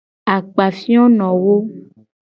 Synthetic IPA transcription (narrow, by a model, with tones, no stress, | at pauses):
a˨k͡pa˨fi˦ɔ̃˦nɔ̃˨wo˦